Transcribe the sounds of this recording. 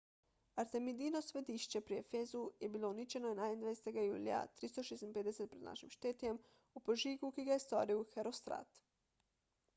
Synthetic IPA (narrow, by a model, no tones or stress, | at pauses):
aɾt̪e̞mid̪iːnosʋed̪iʃt͡ɕe̞pɾijefezujebiːlˠounit͡ʃe̞nojenajend̪ajeset̪eɡajṵːlja̰t̪ɾist̪o̞ʃesnped̪eset̪̚pɾed̪na̰ʃimʃt̪eːt̪jem | upoʒiːɡukiɡajest̪o̰ɾiwxeɾost̪ɾa̰t̪